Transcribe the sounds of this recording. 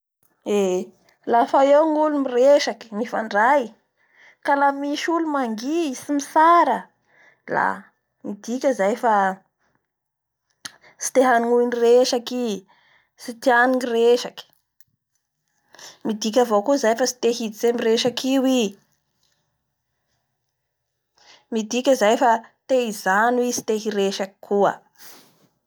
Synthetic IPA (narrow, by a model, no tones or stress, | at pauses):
e | lafaewŋulumireʃaki̥mifa̰ɳɖ͡ʐaj | kalamiʃulumaŋɡiisimisaɾə | la̰ | mid̪ikʲəzajfa | si̥t̪eɦaniŋuinireʃaki | sit̪ianiŋireʃaki̥ | mid̪ik̬ʲavokuzajfasi̥t̪eɦid̪iz̥emireʃakiwi | mid̪ikʲəzajfat̪eizanwisi̥t̪eɦiɾeʃaki̥kʰuə̰